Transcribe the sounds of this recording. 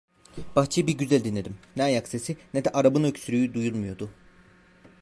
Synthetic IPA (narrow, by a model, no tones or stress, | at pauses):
b̥axt͡ʃʰejɯbiɾɟyzælʲd̪inlʲe̞d̪imnɛajakse̞sinɛd̪ɛʔaɾabɯnøcsyɾyjyd̪ujulˠmujo̞d̪ʊ